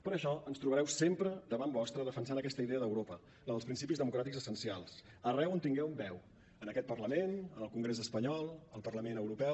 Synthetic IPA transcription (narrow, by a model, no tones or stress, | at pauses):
pəɾəʃɔənst̪ɾuβəɾɛwsempɾəd̪əβambɔst̪ɾəðəfənsanəkɛst̪əiðeəðəwɾopə | ləðəlˠs̬pɾinsipizðəmukɾat̪ikzəsənsialˠs | ərɛwənt̪iŋɡɛwmbɛw | ənəkɛt̪̚pərləmenənəlˠkuŋɡɾezəspəɲɔlˠəlˠpərləmenəwɾupɛw